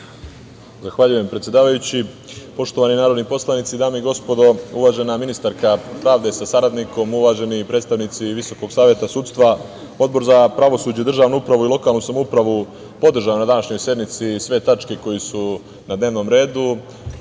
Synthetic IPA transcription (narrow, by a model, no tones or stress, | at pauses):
zaxʋaʎuje̞mpɾet̪sje̞d̪aːʋajut͡ɕi | po̞ʃt̪o̞ʋaninaːɾo̞d̪nipo̞slˠanit̪sid̪aːmeiɡo̞spo̞d̪o̞uʋaʒe̞naminist̪aɾkapɾaːʋd̪e̞sasaɾad̪niko̞muʋaːʒe̞nipɾed̪st̪aʋnit̪siʋiso̞ko̞ɡsaːʋje̞t̪asuːt̪st̪ʋa | o̞d̪bo̞ɾzapɾaʋo̞suːd͡ʑeid̪r̩ʒaːʋnuupɾaʋuilˠo̞kaːlˠnusamoupɾaʋu | po̞d̪r̩ʒajunad̪anaʃɲo̞jsje̞d̪mit̪sisʋe̞t̪at͡ʃke̞ko̞jisu | nad̪neːʋno̞mɾe̞ːd̪u